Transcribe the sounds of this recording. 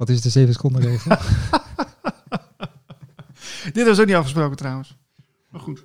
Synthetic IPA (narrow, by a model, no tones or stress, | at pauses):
ʋɑtɪsətdəzejvəsə̥kɔndərejχə | d̥ɪtʋɑs̬okniɑfχəs̬prowkəntrawəns | maχut